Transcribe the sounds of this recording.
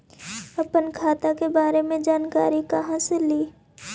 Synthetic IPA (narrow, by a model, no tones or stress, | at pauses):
ɐpənkʰaːt̪akebaːɾemẽd͡ʒaːnkaːɾikɐɦãseliː